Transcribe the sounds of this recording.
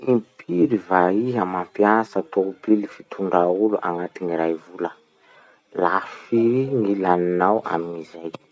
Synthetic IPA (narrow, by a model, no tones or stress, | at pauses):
impʰiɾivaiɦamampjasət̪oupilifit̪ʰuɳɖ͡ʐauluʔaŋat̪iniɾajvulə | lafiiŋilaninawa̰mizaj